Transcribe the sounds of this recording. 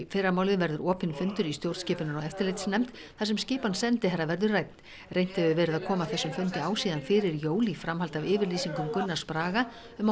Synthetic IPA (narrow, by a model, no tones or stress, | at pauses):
fɪːɾamaːwlɪðvɛɾðʏɾɔːpɪnfʏnt̪ʏɾist̪jowɾt̪scɪːpʏnʏɾaɛft̪ɪlɪjt̪snɛmt̪ | θas̬ɛmscɪːpansɛnt̪ɪhɛrːavɛɾðʏɾrajt̪n̥ | rejn̥t̪ɪðʏvɛːɾɪðaðkʰɔːmaθɛsːʏmfʏnt̪ɪaːwsiːðanfɪɾɪɾjoːwlifɾamɦalt̪avɪːvɪɾliːsiŋkʏmkʏnːḁspɾaːɣa | ʏma